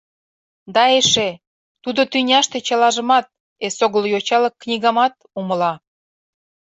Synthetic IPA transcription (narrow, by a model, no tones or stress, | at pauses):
d̪ɑeʃe | t̪ud̪ot̪ynʲɑʃt̪et͡ɕɑlɑʒə̆mɑt̪̚ | esoɣəljot͡ɕɑləkːnʲiɣɑmɑt̪̚ | uməlɑ